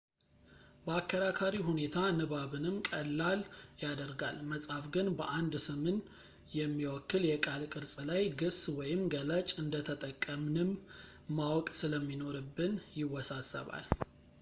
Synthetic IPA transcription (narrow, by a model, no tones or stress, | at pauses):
bəakʰːəɾakʰaɾiɦune̞t̪ʰanɨβaβɨnɨmkʼəlːaljad̪əɾɡa̰lməsʼhafɡɨnbəʔand̪sɨmɨn | jɛmːiwɔkːɨljɛkʼalkʼɨɾsʼlajɡɨswɔjɪmɡələt͡ʃʼɨnd̪ət̪ʰət̪ʼəkʼːəmnɨmː | awɔkʼsɨləmːino̞ɾɨbːɨnjɪwɔsasə̰βa̰l